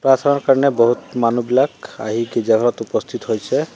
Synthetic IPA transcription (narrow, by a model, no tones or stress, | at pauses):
pɾat̪ʰanɔɹkaɹɔnɛbɔɦut̪manubilaka̰ɦiɡed͡ʒaɡʱɔlɔt̪upɔst̪ʰit̪ɦojsʰɛ